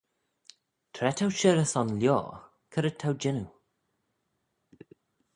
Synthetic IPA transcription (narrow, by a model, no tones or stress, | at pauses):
t̪ʰɾɛtʰawʃɪɾəsɔnljɔ̰ː | kʰəɾət̪ʰawd͡ʒɪnu